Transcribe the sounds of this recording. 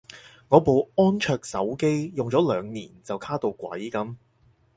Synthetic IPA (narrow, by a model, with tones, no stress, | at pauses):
ŋɔː˨˧po˨wɔː˥nt͡ʃʰœː˧k̚sɐ̰˨˥wke˥jjʊ˨˩ŋt͡sɔː˨˥lœː˨˧ŋniː˨˩nt͡sɐ˨wkʰaː˥t̪o˧wkwɐ̰˨˥jkɐ˨˧˥m